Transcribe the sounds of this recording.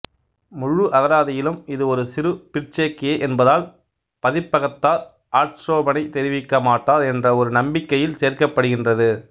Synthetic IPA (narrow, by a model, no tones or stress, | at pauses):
mʊɻːɯʔɐɣɐɾaːðɐjɪlɯmɪðɯɔɾɯsɪɾɯpɪrt͡ʃɐkːeːʔɛnbɐðaːl | pɐðɪpːɐɣɐt̪ːaːɾ | aːʈɾoːbɐnɐɪt̪ɛɾɪʋɪkːɐmaːʈːaːɾɛndrɐɔɾɯnɐmbɪkːɐjɪlseːrkɐpːɐɽɯɣɪndrɐðɯ